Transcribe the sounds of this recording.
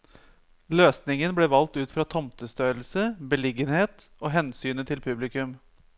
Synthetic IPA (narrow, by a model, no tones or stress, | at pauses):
løːsnɪŋənblɛʋɑlt̪ʉːt̪fɾɑt̪ʰɔmt̪əst̪øːlsəbəlɪɡənheːt̪oːɦɛnsyːnət̪ʰɪlpʰʉblɪkʉm